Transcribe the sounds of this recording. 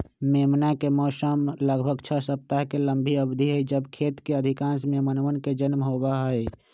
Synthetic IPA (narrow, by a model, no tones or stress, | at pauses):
meːmnakemɔːsəmləɡbʱəɡt͡ʃʰəsəp̚t̪aɦkeləmbʱiəbd̪ʱiɦəd͡ʒəbkʰeːt̪keəd̪ʱikãːnsmẽmənʋənked͡ʒənmɦoːbaɦəe